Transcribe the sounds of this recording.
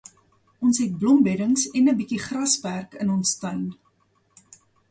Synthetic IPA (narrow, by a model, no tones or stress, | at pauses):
ʔɔnsɦɛt̚blɔmbɛɾəŋsɛnəbikiχrɐspærkənɔnstœɥn